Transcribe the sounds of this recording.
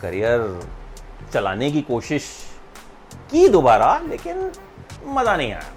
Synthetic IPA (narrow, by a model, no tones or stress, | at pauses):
kɐ̰ɾijəɾ | t͡ʃɐla̰ːnek̬ikoːʃɪʃ | kid̪oːbaːɾaleːkɪn | mɐzanɐɦĩa̰ːja̰